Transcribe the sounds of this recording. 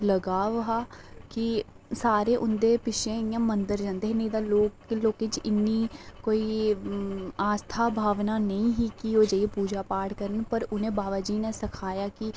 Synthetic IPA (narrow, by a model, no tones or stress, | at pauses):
ləɡaːʋɦaːkɪ | saːɾeːʔʊnd̪eːpɪʃẽːɪjãːmənd̪əɾd͡ʒãːnd̪eːɦːnə̃ĩːd̪aːloːkloːkɪt͡ʃɪnːiːkoːiː | aːst̪ʰaːbʱaːʋnaːnəĩːɦiːkioːd͡ʒəiepuːd͡ʒaːpaːɽkəɾənpəɾʊnẽːbaːʋaːd͡ʒiːneːsɪkʰaːjaːkɪ